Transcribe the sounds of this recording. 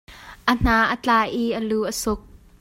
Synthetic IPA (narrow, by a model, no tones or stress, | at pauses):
ʔən̥aʔət͡ɬaːʔiʔəluʔəsʊk̚